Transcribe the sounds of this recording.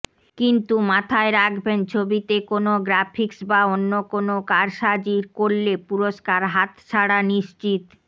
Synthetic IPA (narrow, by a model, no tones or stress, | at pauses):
kint̪umat̪ʰaeɾakʰbent͡ɕʰobit̪ekonoɡɾafʰiksbaonːokonokaɾʃad͡ʑiɾkoɾlepuɾoʃkaɾɦat̪t͡ɕʰaɽaniʃt͡ɕit̪